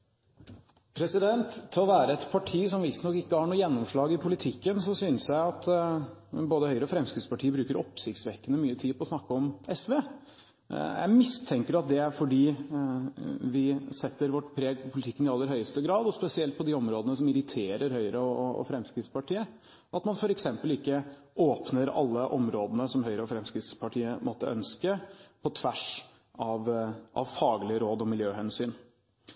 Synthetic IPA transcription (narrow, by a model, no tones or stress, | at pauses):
pʰɾɛsɪd̪ɛnt̪ʰːɪlɔʋæːɾəɛt̪pʰɑʈʰiːsɔmʋɪst̪nɔkːɪkːəhɑɳuːjɛnːɔmʂɭɑːɡɪpʰʊlɪt̪ʰɪkːənsɔsyːnəsjæɪɑt̪ | boːd̪əhœʏɾəɔfɾɛmskɾɪt̪spɑʈʰiːəbɾʉːkəɾʔɔpsɪkt̪sʋɛkːənəmyːət̪ʰiːpʰɔsnɑkːəɔmɛsʋeː | jæ̰ɪmɪst̪ʰɛŋkəɾɑt̪̚d̪ɛæfɔɖiː | ʋɪsɛt̪ːəɾʋɔʈːpʰɾeːɡpʰʊlɪt̪ʰɪkːənɪɑlːəɾɦœʏəst̪əɡɾɑːd̪ɔspɛsɪɛlt̪̚pʰɔd̪ɪɔmɾoːd̪ənəsɔmɪɾɪt̪ʰeːɾəɾɦœʏəɾəɔɔ̰fɾɛmskɾɪt̪spɑʈʰiːə | ʔɑt̪mɑnfɔɾɛksɛmpəlɪkːə | ʔoːpnəɾɑ̰lːəʔɔmɾoːd̪ənəsɔmhœʏɾəɔfɾɛmskɾɪt̪spʰɑʈʰiːəmʔɔt̪ːə̰ʔœ̰nskəpʰɔt̪ʰʋæʂ | ɑʋʔɑ̰ʋfɑːɡlɪɾoːd̪ɔmɪljøːhɛnsyːn